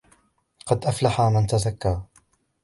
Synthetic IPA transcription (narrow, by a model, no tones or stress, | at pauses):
qɑd̪ʔaflaħaːmɪnt̪aðakːaː